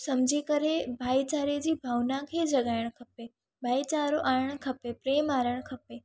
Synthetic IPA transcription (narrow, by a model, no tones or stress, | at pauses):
sɐmd͡ʑʱikɐɾebʱaːit͡ɕaːɾed͡ʑiːbʱaːʋnakʰeːd͡ʑɐɠaːɪɽ̃kʰɐpe | bʱaːit͡ɕaːɾoʔaːɾəɽ̃kʰɐpepɾeːmaːɾəɽ̃kʰɐpe